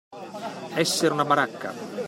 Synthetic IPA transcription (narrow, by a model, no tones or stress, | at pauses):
ɛsːeɾunabaɾakːa̰